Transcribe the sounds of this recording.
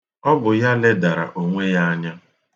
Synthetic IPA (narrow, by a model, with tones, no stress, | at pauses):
ɔ˦bʊ˨ja˦le˦da˨ɾa̰˨ʔo˨ŋʷe˦ja˦a˦ɲa˦